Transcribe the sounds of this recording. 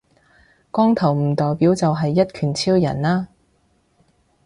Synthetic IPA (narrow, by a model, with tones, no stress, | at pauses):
kɔː˥ŋt̪ʰɐ˨˩wm̩˨˩t̪ɔː˨˩jpiː˨˥wt͡sɐ˨wɦɐ˨jːɐ˥t̚kʰyː˨˩nt͡sʰiː˥wjɐ̰˨˩naː˥